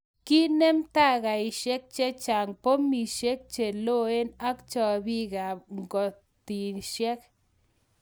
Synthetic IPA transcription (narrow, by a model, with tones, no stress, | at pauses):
ki˦ne˦mt̪a˦˨ɣa˨ɪ˨ʃɛ˦k̚t͡ʃɛ˦t͡ʃa˨ŋpo˦mi˨ʃe˦k̚t͡ʃe˨lo˦e˦na˦kt͡ʃɔ˨bi˦ɡa˨ŋɡɔ˨ | t̪i˨ʃjɛ˦k̚